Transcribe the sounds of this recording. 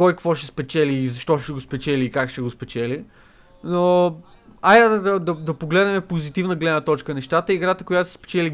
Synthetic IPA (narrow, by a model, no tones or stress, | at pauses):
kɔjkvɔʃɛspɛt͡ʃɛliːzɐʃt̪ɔʃɛɡospɛt͡ʃɛliːkakʃt̪ɛɡospɛt͡ʃɛli | no | ajad̪d̪ɐd̪ɐd̪ɐpoɡlɛd̪nɛmɛpozit̪ivnəɡlɛd̪nət̪ɔt͡ʃkənɛʃt̪at̪əiɡɾat̪əkʊjat̪ʊsɛ̥spɛ̥t͡ʃɛli